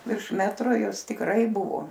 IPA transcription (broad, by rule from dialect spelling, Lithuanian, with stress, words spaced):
ʋʲɪrʃ ˈmʲæːtroː ˈjɛʊ ˈɪs tʲɪkˈrɐɪ ˈbʊʋoː